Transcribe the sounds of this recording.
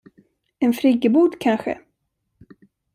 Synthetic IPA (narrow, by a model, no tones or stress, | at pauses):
ɛnfɾɪɡəbuːd̪kʰanɧə̰